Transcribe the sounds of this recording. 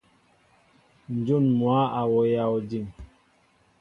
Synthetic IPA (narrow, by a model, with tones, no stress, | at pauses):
n̩˨d͡ʒu˦˨nmwa˨˦a˨wɔ˨ja˨˦˨ɔ˨di˦˨m